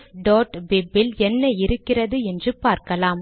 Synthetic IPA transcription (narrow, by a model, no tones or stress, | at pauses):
ɖoːʈbɪbːɪlɛnːɐɪɾɯkːɪrɐðɯɛndrɯpaːɾkɐlaːm